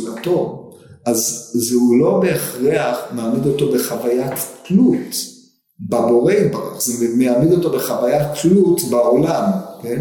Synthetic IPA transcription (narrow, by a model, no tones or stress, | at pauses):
lato̞ | azzeulo̞beːχʁeaχmeamid̪o̞to̞be̞χavajatklut | babo̞ʁejtbaʁa̰χzemeamed̪o̞to̞beχavajatklut̪baolamken